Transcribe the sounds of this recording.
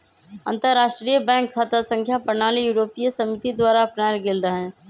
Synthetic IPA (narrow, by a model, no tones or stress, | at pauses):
ɐ̃nt̪əɾɾːaːʃʈɾijəbɛ̃ːŋkʰːat̪əsə̃ŋkʰjapɾnaːlijuːɾoːpijəsɐmɪt̪id̪waːɾaɐpnaːjɡeld̪aɦɛ̃ː